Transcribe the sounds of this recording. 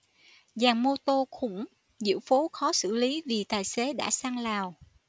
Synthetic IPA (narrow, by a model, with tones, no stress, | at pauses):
zaː˨˩ŋmo˧t̪o˧xʊ̰˧˥ŋ͡m | zɨ̰˧˥əwfo˨˦xɔ˨˦sɨ̰˧˨li˨˦vi˨˩t̪aː˨˩jse˨˦ɗa̰ː˧˥saː˧ŋlaː˨˩w